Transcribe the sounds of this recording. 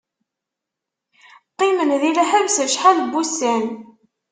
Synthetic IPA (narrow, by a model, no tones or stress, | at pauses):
qːimənðilæhævsəʃħalbːustæn